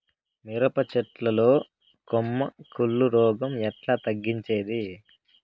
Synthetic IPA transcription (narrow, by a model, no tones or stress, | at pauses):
miɾɐpɐt͡ʃɛʈlɐlo̞ː | komːɐkʰuɭːuɾɔːɡɐmɛʈlaːt̪ɐɡːiɲt͡ʃe̞ːd̪i